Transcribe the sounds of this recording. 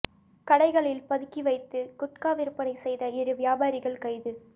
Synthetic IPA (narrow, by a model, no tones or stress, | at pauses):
kɐɽɐɪɣɐɭɪlpɐðɯkːiʋɐɪt̪ːɯkʊʈ̚kaːʋɪɾɯpːɐnɐɪsɛjðɐɪɾɯʋɪjaːbaːɾɪɣɐɭkɐɪðɯ